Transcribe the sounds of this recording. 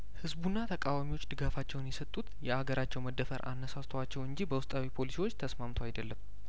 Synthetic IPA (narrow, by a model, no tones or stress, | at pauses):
hɨzbunːat̪ʰəkʼawamiwo̞t͡ʃːd̪ɨɡafat͡ʃːɛwnjɛsət̪ʼːut̪jɛaɡəɾat͡ʃːɛwməd̪ːəfəɾʔa̰nːəsast̪ʰwat͡ʃːɛwɨɲd͡ʒibəwʊst̪ʼawipʰo̞lisiwot͡ʃːt̪ʰəsmamt̪ʰwajd̪əlːəm